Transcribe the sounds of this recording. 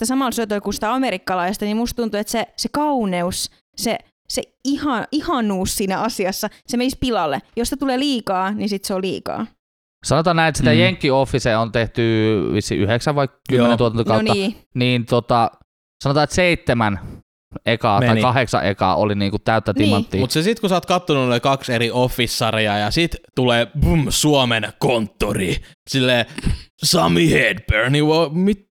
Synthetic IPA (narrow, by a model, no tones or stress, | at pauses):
ĕt̪ːæsɑmɑlsyøt̪olikunsi̥t̪æɑmeɾikːɑlɑiest̪ɑnimmust̪t̪unt̪uet̪sesekɑuneus | se | seihɑihɑnuːssiːnæɑsiɑsːɑsemenispilɑlːejoset̪uleːliːkɑːnisit̪seolḭːkɑ̰ː | sɑnot̪ɑːnæinet̪sit̪æjeŋkːiofːiseːont̪eht̪yʋisːḭʔyheksæʋʋɑikkymenent̪uot̪ɑnt̪okɑˑunːɑiːniːnt̪ot̪ɑ | sɑnot̪ɑːet̪seit̪ːemæn | ʔekɑːteɑikɑheksɑ̰ʔḛkɑ̰ːʔo̰liniːŋkut̪t̪æˑyt̪ːæt̪immɑnt̪ːiːut̪sesit̪kusɑːt̪kɑt̪ːonunolikɑkseɾiofːisːɑriɑjɑsit̪t̪uleːbumsuomenkont̪ːoriː | silːeːsɑmiheːd̪berniʋomit̪